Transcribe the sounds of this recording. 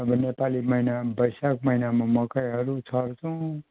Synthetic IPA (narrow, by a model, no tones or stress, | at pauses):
ʌbʌnepalimʌinabʌjsak̚mʌinamamʌkajɦʌɾut͡sʰʌrt͡sʰʌw̃